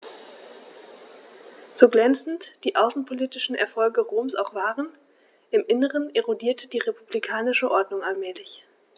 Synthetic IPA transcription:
t͡soɡlɛnt͡sn̩td̥iːʔaʊsn̩pʰoliːtɪʃn̩ʔɛ̰ɐfɔlɡəʁoːmsa̰ʊxv̥aːʁən | ʔɪmʔɪnəʁ̞əneʁodiːɐtʰədiːʁepublikʰaːnɪʃəʔɔɐdnʊŋalmɛːlɪç

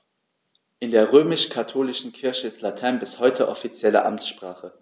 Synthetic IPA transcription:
ʔɪndeːɐʁøːmɪʃkʰatʰoːlɪʃn̩kʰɪɐçəɪstlatʰɛɐnbɪshɔʏtʰəʔɔfit͡sjɛlə̰ʔa̰mt͡sʃpʁ̥aːχə

